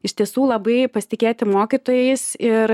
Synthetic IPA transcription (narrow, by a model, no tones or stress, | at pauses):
ɪʃʲt̪ʲiɛsuːlˠɐbɐɪpɐsʲɪt̪ʲɪkʲeːt̪ʲɪmoːkʲit̪oːjɛɪsɪɾ